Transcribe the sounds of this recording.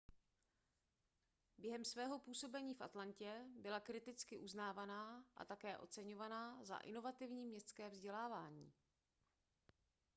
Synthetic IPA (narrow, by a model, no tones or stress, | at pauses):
bjɛɦɛmsvɛːɦo̞puːso̞bɛɲiːfʔat̪lancɛbɪlakɾɪt̪ɪt͡skɪʔuznaːvanaːʔa̰t̪akɛːʔo̞̰t͡sɛɲo̞vanaza̰ʔɪ̰no̞vat̪ɪvɲiːmɲɛst̪skɛːvzɟɛlaːvaːɲḭː